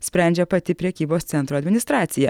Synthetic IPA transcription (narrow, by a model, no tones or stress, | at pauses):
sʲpʲɾʲɛnʲd͡ʒʲɛpɐt̪ʲɪpʲɾʲɛkʲiːboːst̪sʲɛnt̪ɾuɐd̪ʲmʲɪnʲɪst̪ɾɑːt̪sʲɪjɛ